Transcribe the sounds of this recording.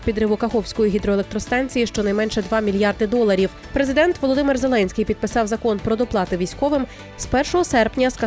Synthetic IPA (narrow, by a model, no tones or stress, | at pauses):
pʲid̪ɾɪʋʊkɐxɔwsʲkɔjiɦʲid̪ɾɔelˠek̚t̪ɾɔst̪ɑnʲt͡sʲijiʃt͡ʃɔnɐjmɛnʃɛd̪ʋɑmʲilʲjɑrd̪ɪd̪ɔlˠɐɾʲiw | pɾe̞zɪd̪ɛnt̪ʋɔlˠɔd̪ɪmɪrze̞lˠɛnʲsʲkɪjpʲid̪̚pɪsɑwzɐkɔnpɾɔd̪ɔplˠɑt̪ɪʋʲijsʲkɔʋɪm | spɛrʃɔɦɔsɛrpnʲɐskɐ